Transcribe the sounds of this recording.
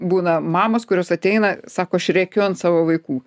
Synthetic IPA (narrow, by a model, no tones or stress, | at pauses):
buːnɐmɑːmoːskʊɾʲoːsɐt̪ʲɛɪnɐsɑːkoːɐʃrʲɛkʲoːɐnsɑːʋoːʋɐɪkuː